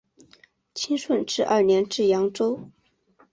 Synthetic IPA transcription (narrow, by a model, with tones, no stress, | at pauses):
t͡ɕʰi˥nʂwə˥˧nʈ͡ʂɻ̩˥˧ʔɐ̰˥˩njɛ˧˥nʈ͡ʂɻ̩˥˩jɑ˧˥ŋʈ͡ʂo˥ʊ